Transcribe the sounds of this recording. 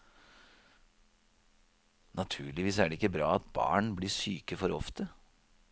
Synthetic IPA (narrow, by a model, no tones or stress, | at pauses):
nɑt̪ʰʉːɭɪʋiːsæːɖɛɪkːəbɾɑ̰ːɑt̪bɑ̰ːɳbliːʂyːkəfɔɾɔft̪ə